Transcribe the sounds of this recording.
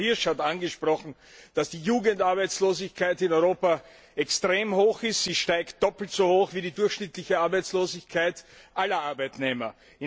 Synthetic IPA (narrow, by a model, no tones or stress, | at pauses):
hɪɐʃhatanɡəʃpʁɔxn̩ | d̥asd̥iːjuːɡəntaɐbæɪt͡sloːzɪçkʰaɪtɪnɔʏʁoːpa | ɛkstʁ̥eːmhoːxɪstz̥iːʃtaɪkt̚d̥ɔpl̩tz̥ohoːxviːdiːdʊɐxʃnɪtlɪçəaɐbæɪt͡sloːzɪçkʰaɪtʔalɐʔaɐbæɪtneːmɐ̰ | ɪ